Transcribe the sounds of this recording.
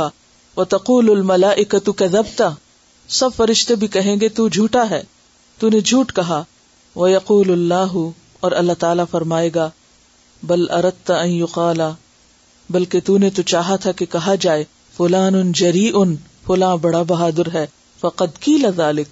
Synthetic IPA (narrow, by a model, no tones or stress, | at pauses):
wɐt̪ɐquːlʊlmɐlaːʔɪkɐt̪ukɐðɐbt̪a | sɐbfɐɾɪʃt̪ebʱikɐɦẽːɡet̪ud͡ʒʱuːʈaɦɛː | t̪uned͡ʒʱuːʈkɐɦa | ʋɐjɐquːlɐlːaːɦʊ | ɔːɾɐlːat̪aːlafɐɾmaːeːɡaː | bɐlʔɐɾɐd̪̚t̪aɐ̃njʊqaːla | bɐlket̪unet̪ut͡ʃaːɦat̪ʰakekɐɦad͡ʒaːe | fʊlaːnʊnd͡ʒɐɾiːʔʊn | fʊlãːbɐɽabɐɦaːd̪ɪɾɦɛː | fɐqɐd̪qiːlaðaːlɪk̚